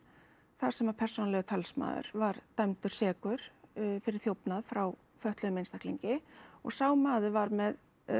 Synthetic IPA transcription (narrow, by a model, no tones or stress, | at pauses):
θaɾ̥sɛmapʰɛr̥sɔnalɛɣɪt̪ʰalsma̰ːðʏ̰ɾ̥vaɾt̪amt̪ʏɾ̥sɛːkʏɾ̥fɪɾɪɾ̥θjowpnaðfɾaw | fœht̪lœɣʏmeɪnst̪ahkliɲcɪɔ̰ɣsaːwmaːðʏvaɾmɛð